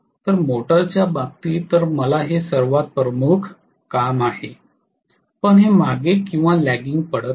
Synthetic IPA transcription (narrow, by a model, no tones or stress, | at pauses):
t̪əɾmoʈəɾt͡ɕjabak̚t̪iːt̪əɾməlaɦesəɾʋat̪̚pɾəmukʰ | kamaɦe | pəɳɦemaɡekĩw̃ʋalæɡiŋɡ̚pəɽət̪